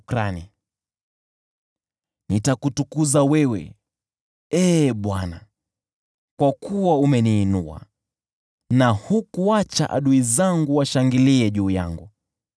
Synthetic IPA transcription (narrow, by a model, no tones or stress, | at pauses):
kɾani | nitakutukuzawɛwɛ̰ | ɛːɓwana | kwakuwaumɛniːnua̰ | nahukuat͡ʃa̰ʔa̰ɗuizaŋɡuwaʃaŋɡiliɛʄuːja̰ŋɡu